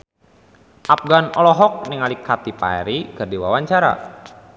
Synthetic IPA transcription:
ʔap̚ɡanɔlɔɦɔk̚niŋalikʰːat̪ipa̰ɛ̰ɾikərdiwawaɲt͡ʃaɾa̰

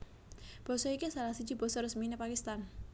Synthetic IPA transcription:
b̥ɔ̤sɔikisalahsi̥d͡ʒ̥i̤b̥ɔ̤sɔrəsminepakist̪an

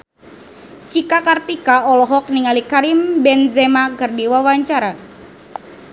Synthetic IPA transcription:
t͡ʃikakart̪ikaɔlɔɦɔk̚niŋalikaɾimbɛnzɛmakɨrdiwawaɲt͡ʃaɾa

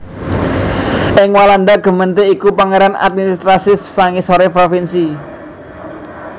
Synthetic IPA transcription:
ʔɪŋwaland̪aɡ̥ə̤mənt̪eikupaŋeɾana̰t̪̚minist̪ɾasɪfsaŋisoɾepɾofinsi

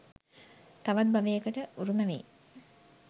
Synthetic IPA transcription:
t̪aʋat̪̚baʋejəkəʈəuɾuməʋḛ

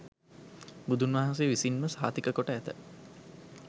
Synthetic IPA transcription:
bud̪unʋaɦɐns̬eʋisinməsaːt̪ikəkoʈəæt̪ə̰

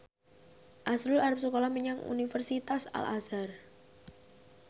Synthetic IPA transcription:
ʔasɾʊlaɾap̚sukolɔhməɲaŋṵnifərsit̪asa̰lʔa̰sar

